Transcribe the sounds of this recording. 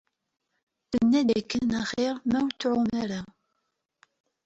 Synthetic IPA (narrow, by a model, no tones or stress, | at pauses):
θənːæd̪ækːənæχeɾmæwt͡sːʕʊmæɾa